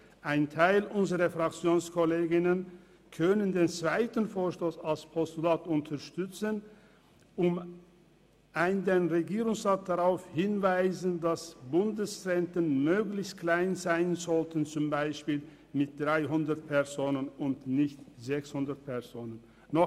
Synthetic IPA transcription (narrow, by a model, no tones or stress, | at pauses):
ʔaɪntʰaɪlʔʊnzəʁɐfʁ̥akt͡sjoːnskʰɔleːɡɪnən | kʰœnəndeːnt͡sv̥aɪtn̩foːɐʃtoːsalspʰɔstulaːtʊntʰɐʃtʏt͡sən | ʔʊm | ʔaɪndeːnʁeɡiːʁʊŋsʁaːt̚d̥aʁaʊfhɪnvaɪzəndasb̥ʊndəsʁɛntənmøːɡlɪçst̚kl̥aɪnzaɪənzɔltən̩t͡sʊmbaɪʃpiːl | mɪt̚d̥ʁaɪɦʊndɐt̚pʰɛɐzoːnənʊntnɪçtz̥ɛkshʊndɐt̚pʰɛɐzoːnənː | ɔ